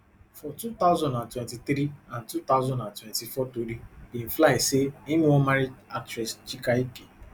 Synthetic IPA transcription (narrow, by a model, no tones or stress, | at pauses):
fɔtut̪aʊzɔ̃ndãntwɛ̃ntit̪ɾiãntut̪aʊzɔ̃ndãntwɛ̃ntifɔtoɾibĩn̩flaiseimĩwɔ̃maɾid͡ʒak̚t͡ʃɾɛst͡ʃikaike